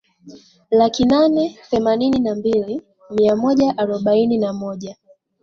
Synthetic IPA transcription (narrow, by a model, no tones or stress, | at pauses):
lakinanɛθɛmanininambili | miamɔʄaʔaɾɔɓaininamɔʄa